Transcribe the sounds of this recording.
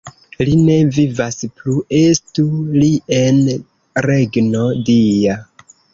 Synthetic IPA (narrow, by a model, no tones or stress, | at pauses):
line̞vivasplue̞stulie̞n | ɾe̞ɡno̞dija